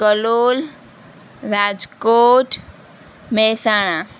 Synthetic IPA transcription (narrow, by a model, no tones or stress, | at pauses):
kəloːl | ɾad͡ʒkoːʈ | mɛsaːɽ̃a